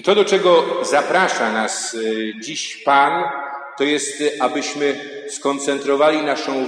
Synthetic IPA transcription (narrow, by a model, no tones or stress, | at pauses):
t̪ɔd̪ɔt͡ʂɛɡɔzapɾaʂanasd͡ʑiɕpant̪ɔjɛst̪abɘɕmɘ | skɔnt̪sɛnt̪ɾɔvalʲinaʂɔ̃w̃